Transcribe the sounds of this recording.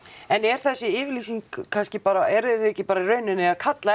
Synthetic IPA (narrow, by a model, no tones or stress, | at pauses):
ɛnɛɾ̥θɛsːɪɪːvɪɾliːsiŋkkʰːanscɪpaːɾaɛɾɪθɛcːɪpaːɾairœːɥnʏnɪaðkʰat̪la